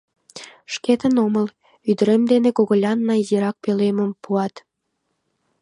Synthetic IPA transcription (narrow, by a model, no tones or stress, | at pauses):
ʃket̪ənoməl | yd̪əɾemd̪enekoɣolʲɑnːɑizeɾɑk̚peleməmpuɑt̪